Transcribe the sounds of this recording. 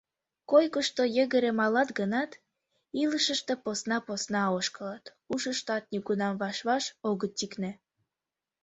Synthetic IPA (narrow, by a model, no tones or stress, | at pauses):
kojkəʃt̪ojə̆ɣəɾemɑlɑt̪ɡənɑt̪ | iləʃəʃt̪ĕposnɑposnɑoʃkəlɑt̪ | uʃəʃt̪ɑt̪̚nyɡunɑmvɑʃβɑʃoɣət̪ːiknĕ